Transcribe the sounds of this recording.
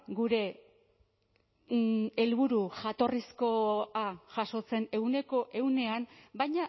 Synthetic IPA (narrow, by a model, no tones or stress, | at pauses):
ɡuɾe̞ | elβuɾuʝat̪o̞risko̞aʝaʃo̞t͡se̞ne̞ɣune̞ko̞ʔe̞wne̞ambajɲa